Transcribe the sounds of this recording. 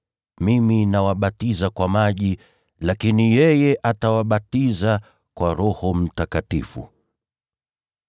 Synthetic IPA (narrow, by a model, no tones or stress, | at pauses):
miminawaɓatizakwamaʄi | lakinijɛjɛʔatawaɓatiza | kwaɾɔhɔm̩takatḭfṵ